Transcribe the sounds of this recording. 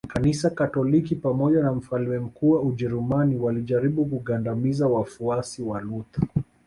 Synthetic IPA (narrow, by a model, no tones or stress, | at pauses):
kanisakatɔlikipamɔʄanam̩faliwɛm̩kuːwauʄɛɾumaniwaliʄaɾiɓukuɠandamizawafuasiwalut̪ḁ